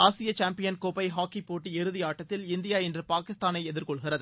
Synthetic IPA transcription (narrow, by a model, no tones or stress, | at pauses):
aːsɪjɐt͡ʃaːmpɪjɐnkoːpɐɪɦaːkːipoːʈːiɪɾɯðɪjaːʈːɐt̪ːɪlɪnd̪ɪjaːɛndrɯpaːkɪst̪aːnɐɪɛðɪɾkɔɭɣɪrɐðɯ